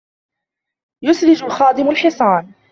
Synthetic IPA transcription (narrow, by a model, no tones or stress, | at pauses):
jʊsɾɪd͡ʒʊxɑːd̪ˤɪmʊlħɪsˤɑːn